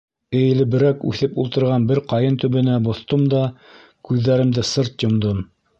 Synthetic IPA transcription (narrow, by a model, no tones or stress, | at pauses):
ɘ̆jɘ̆lɘ̆bɘ̆ɾækʉ̰θɘpulˠt̪ɤ̆ɾʁɑnbɘɾqɑjɤnt̪ɵ̆βɘ̆næbŏθt̪omd̪ɑ | kʉðːæɾɘ̆md̪ɘsɤɾt̪jŏmd̪om